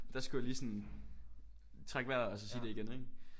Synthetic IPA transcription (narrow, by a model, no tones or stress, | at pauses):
d̥ɑsɡ̥ujæliːsɒ̽n | t͡sʰʁaɡ̥ʋæɐ̰ɒ̽sɒ̽siːd̥e̝iɡ̥eneɡ̥